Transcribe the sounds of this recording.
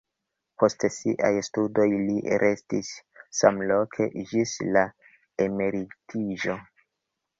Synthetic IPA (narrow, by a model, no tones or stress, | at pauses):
po̞stsiʔa̰jstudo̞jliɾʔe̞stisːamlo̞kʰe̞̰ʔid͡ʒisla | eme̞ɾitʰiʒo̞